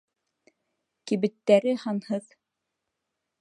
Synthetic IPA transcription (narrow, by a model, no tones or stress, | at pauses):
kiβɘ̆t̪ːæɾɘhɑnhɤð